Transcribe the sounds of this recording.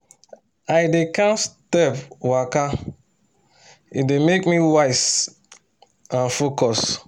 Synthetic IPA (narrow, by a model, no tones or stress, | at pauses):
ajdekãnstɛpwaka | idemekmiwaɪs | ãnfokɔs